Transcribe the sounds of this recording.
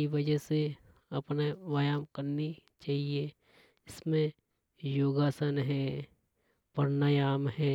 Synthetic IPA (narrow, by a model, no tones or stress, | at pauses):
iʋɐd͡ʒəse | ɐpneʋajaːmkɐɾnit͡ʃaːɦie | ɪsmẽ | joːɡaːsənɦɛː | pɐɾnajaːmɦɛː